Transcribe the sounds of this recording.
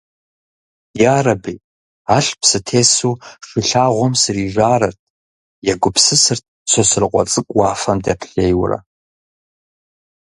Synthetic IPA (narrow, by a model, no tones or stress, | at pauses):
jaːrɐbiː | aːɬpʰsɨtʰeːsuʂʷɪɬaːʁʷɔmsɨriʒʷaːɾɐrtʰʼ | jaɡʷʊpʰsɨsɨrt̚ʰ | t͡sʷʰosɨrqʷʼɔ̰t͡sʼɨkʷʼwaːfɐmdɐ̰pʰɬeːjwrɐ̰